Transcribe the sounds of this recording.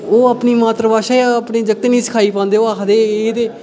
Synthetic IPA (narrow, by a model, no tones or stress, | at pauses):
oːaːpniːmaːt̪ɾəbaːʃaːjaəpneːd͡ʒəɡ̚t̪eːnĩːsɪ̥kʰaːiːpãːnd̪eːoaːkʰd̪eːd̪eː